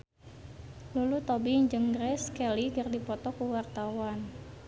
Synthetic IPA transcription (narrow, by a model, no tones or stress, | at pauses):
lulut̪ɔbiɲd͡ʒəŋɡɾɛskɛlikɨrdipɔt̪ɔkuwart̪awan